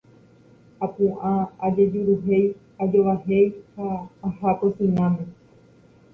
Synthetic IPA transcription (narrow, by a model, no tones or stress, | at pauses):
apũʔaad͡ʒe̞d͡ʒuɾuɦe̞j | ad͡ʒoʋaɦe̞jhaːhaposĩɲãmẽ